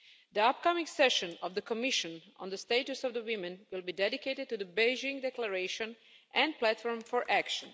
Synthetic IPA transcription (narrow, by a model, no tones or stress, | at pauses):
d̪əapkamɪ̃ŋɡsɛʃɔ̃nɔvd̪əkɔmɪʃə̃nɔ̰̃nd̪əsteɪtusɔvd̪əwɪmɛ̃nwɪlˠbiːdɛdikeɪtɪd̪̚tud̪əbeɪd͡ʒɪ̃ŋɡdɛkləɾeɪʃə̃n | ʔɛ̃nd̚plætfɔɹmfɔɹʔækʃə̃n